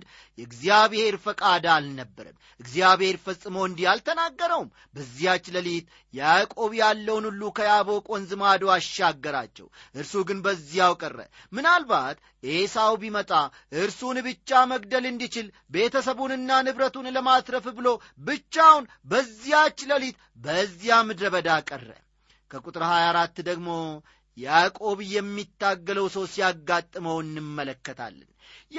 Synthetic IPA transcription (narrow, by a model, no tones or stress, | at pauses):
d̪ | jɛɡzijaβhe̞ɾfəkʼad̪alnəbːəɾɨ̰mː | ʔɨɡzijaβhe̞ɾfəsʼːɨmoɨnd̪ijalt̪ʰənaɡːəɾəwm | bəzːijat͡ʃːləlijt̪ | jakʼo̞βijalːəwnulːukʰəjaβo̞kʼonzɨmad̪oaʃaɡːəɾa̰t͡ʃːɛ̰wʔɨɾsuɡɨnbəzːijawkʼərːə̰ | mɨnalbat̪ | ʔesawbimət̪ʼa | ʔɨɾsunbɨt͡ʃːaməɡ̚d̪əlɨnd̪it͡ʃɪl | be̞t̪ʰəsəβunɨnːanɨβɾət̪unləmat̪ɾəfbɨlo̞ | bɨt͡ʃːawn | bəzːijat͡ʃːləlit̪ | bəzːijamɨd̪ɾəβəd̪akʼərːə̰ | kʰəkʼut̪ʼɨɾhajaɾat̪ːd̪əɡmo̞ | jakʼo̞βjɛmːit̪ːaɡːələwsəwsijaɡːat̪ʼːɨməwɨnːɨmːələkːət̪ʰa̰lːɨ̰n